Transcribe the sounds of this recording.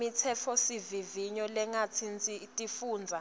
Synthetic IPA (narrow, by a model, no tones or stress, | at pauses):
it͡sʰɛfʰɔsiviviɲɔlɛŋat͡sʰint͡sʼitʼifuːnd͡zʱa